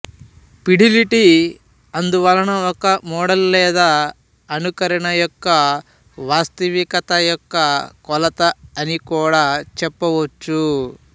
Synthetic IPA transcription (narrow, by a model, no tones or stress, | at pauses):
piɽiliʈi | ɐnd̪uʋɐlɐnɐɔkɐmɔːɽɐlːɛːd̪a | ɐnukɐɾɐɳɐjɔkːɐ | ʋaːst̪ɐʋikɐt̪ɐjɔkːɐkɔlɐt̪ɐːnikuːɽaːt͡ʃɛpːɐʋɐt͡ʃːu